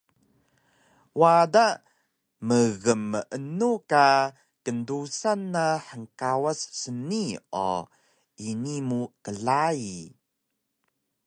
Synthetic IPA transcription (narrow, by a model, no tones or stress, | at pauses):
wada | məɣəmːəʔənuka | kəndusanːaħəŋkawassənio̰ | inimukəɮai